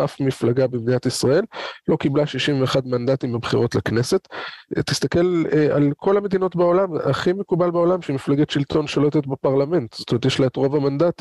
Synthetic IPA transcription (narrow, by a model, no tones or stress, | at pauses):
ʔafmiflaɡabebd̪inatisʁae̞lːo̞kiblaʃiʃimveːχadmandatimabχiʁo̞tlakne̞se̞ttːist̪akelalkʰo̞lhame̞d̪ino̞tbeo̞lamaχimekubalbeo̞lamʃemiflaɡetʃiltʰo̞nʃoloet̪et̪bepaʁlame̞nt̪z̥o̥t̪omet̪jeʃleetʁo̞vamandat̪